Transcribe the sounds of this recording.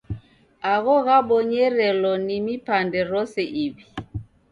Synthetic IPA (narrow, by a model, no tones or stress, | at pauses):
aɣɔɣaɓɔɲɛɾɛlɔnimipandɛɾɔsɛʔiβi